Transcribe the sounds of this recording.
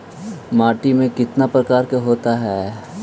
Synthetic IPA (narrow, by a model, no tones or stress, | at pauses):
maːʈimẽkɪt̪napɾɐkaːɾkeɦoːt̪aɦɛː